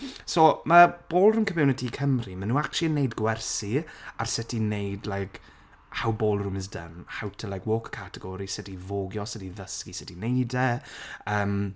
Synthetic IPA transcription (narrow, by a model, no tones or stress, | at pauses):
soːməb̥oːlˠrʊmkʰəmɛnɛtʰikʰəmrimənuːak̚tt͡ʃlˠinːejdɡwɛrsia̰rsətʰinejdlajk | hawboːlˠrʊməs̬də̰nhawtʰəlˠajkwoːkkʰatɛɡɔɾisətivoːɡjɔsətiðəskisɪtinejdɛəːm